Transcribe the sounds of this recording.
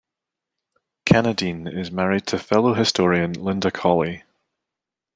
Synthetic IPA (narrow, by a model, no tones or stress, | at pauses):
kʰanədĩnɪzmaɹɪd̚tʰəfɛlˠoɦɪstɔɹiə̃nlˠɪ̃ndəkʰɔlˠi